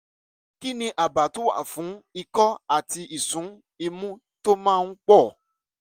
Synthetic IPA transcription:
ki˦nĩ˧ʔa˨ba˨tu˦wa̰˦˨fũ˨˦i˧kɔ˦a˦˨ti˧ʔi˨sũ˨˦ | i˧mũ˦ | to˦mãː˦˧ñ̩˦k͡pɔ˦˨

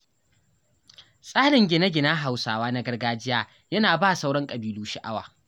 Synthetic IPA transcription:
sʼaː˦ɽɪ˨ŋɡʲɪ˨nɐ˦ɡʲɪ˨naː˦ɦa˨wsaː˨waː˦na˦ɡɐ˦rɡaː˦d͡ʒɪ˦jaː˦ | jɐ˦naː˨baː˦˨sa˦wɽɔ˦ŋkʼɐ˨biː˦luː˦ʃɪ˦ʔa˦wa̰ː˨

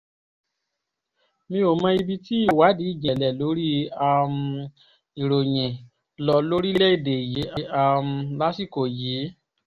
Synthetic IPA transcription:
mĩ˧˦o˨mã˧i˧bi˧ti˦i˦˨wa˨˦di˨˦i˦˨d͡ʒɛ̃˨lɛ˨lo˨˦ɾi˦a˧m̩ | i˨ɾo˨j̃ɛ̃˨ | lɔ˧˦lo˦ɾi˦lɛ˦i˦˨de˨ji˨˦i˦a˧m̩˧la˦si˦˨ko˨jiː˨˦

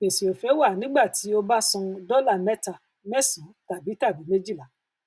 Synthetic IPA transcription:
e˨si˨o˨fɛ˨˦wa˦˨nĩ˨˦ɡ͡ba˦˨ti˨˦o˧ba˦sũ˧dɔ˦la˦˨mɛ˦ta˨ | mɛ˦sũ˨˦ta˨bi˨˦ta˦˨bi˨˦me˦d͡ʒi˦˨la˨˦

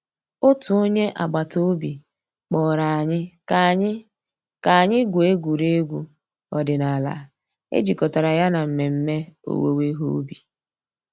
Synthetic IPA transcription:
o˦tʊ˨o˦ɲe˦ʔa̰˨ɡ͡ba˨to˦o˦bi˨ | k͡pɔ˨ɾa˨a˨ɲɪ˦˨ | ɲ˦ | ka˨a˨ɲɪ˦ɡʷu˨e˦ɡʷu˨ɾe˦ɡʷu˦ | ɔ˨dɪ˨na˨la̰˨ | ḛ˦d͡ʒi˨kɔ˨ta˨ɾa˨ja˦na˨m̩˨me˨m̩˦me˦o̰˨wḛ˦we˦ɦo̰˦bi˨

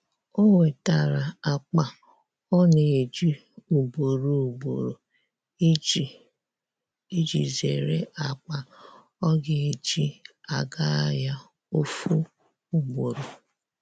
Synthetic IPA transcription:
o˦ŋʷe˨ta˨ɾa˨a˨k͡pa˨ | ɔ˦ne˨e˨d͡ʒi˦ | u˨bo˨ɾu˦˨bo̰˨ɾo˨˦˨ | e˦d͡ʒi˨zḛ˨ɾḛ˦ʔa˨k͡pa˨ | ɔ˦ɡɪ˦e˨d͡ʒi˦a˨ɡa˦ja˦ | o˦fu˦ | u˨ɡ͡bo˨ɾo˨

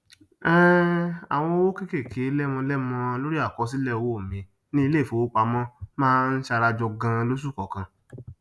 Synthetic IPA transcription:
ɛ˦a˨w̃ɔ̃˧˦wo˦ke˦ke˦˨kʰe˨˦lɛ˦mɔ̃˧lɛ˦mɔ̃˧lo˦ɾi˦a˦˨kɔ˨˦s̬i˦lɛ˦˨wo˦o˨mĩ˨˧˦ | nĩ˦˧le˦˨fo˨o˦k͡pa˧mɔ̃˦mãː˦˧n̩˦ʃa˧ɾa˧d͡ʒɔ˧ɡã˧lo˦s̬u˦˨kɔ˨kã˧

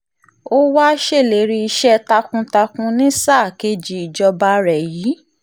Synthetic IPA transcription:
o˦wa˦ʃe˦˨le˨˦ɾi˧i˧ʃɛ˦ta˧kũ˧ta˧kũ˧nĩ˦sa˦˨ke˧d͡ʒi˨i˨d͡ʒɔ˧ba˧ɾɛ˨jiː˨˦

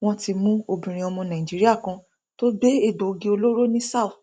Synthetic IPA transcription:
w̃ɔ̃˦ti˧mũ˦o˧bĩ˨ɾ̃ĩ˨ɔ˧mɔ̃˧nã˨ĩ˨d͡ʒi˨˦ɾi˦a˦˨kã˧ | to˦be˦e˦˨do˨ɡĩ˧o˧lo˦ɾo˦nĩ˦sa˦˨θ

